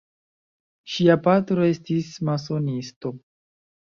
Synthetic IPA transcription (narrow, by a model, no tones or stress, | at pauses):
ʃiapatɾo̞e̞stismaso̞nisto̞